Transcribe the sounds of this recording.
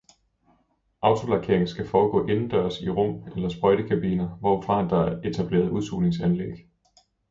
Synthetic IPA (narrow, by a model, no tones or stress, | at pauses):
ʔɑ̈ʊt͡sʰo̝lɑ̈kʰe̝ɐ̰eŋn̩sɡ̥æfɒːɡ̥ɔ̰̽ːʔe̝nn̩d̥ɶɐsiʁɔm̰elɐsb̥ʁɒɪɾ̥əkʰæb̥iːnɐʋɒ̰fʁɑ̈hænd̥ɑ̈e̝t͡sʰæb̥le̝̰ːɐð̩ˠuðˠsulne̝ŋsænlḛɡ̥